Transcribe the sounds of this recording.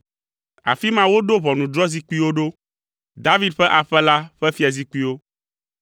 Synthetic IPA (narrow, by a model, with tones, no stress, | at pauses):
a̰˨fi˦mã˦wo˦ɖo˦βɔ˨nũ˨d̪ɾɔ˦zi˦ku˦i˦wo˦ɖo˦ | d̪a˦vi˦d̪ɸɛ˦ʔa˨ɸɛ˦la˦ɸɛ˦fi˦a˨zi˦ku˦i˦wo˦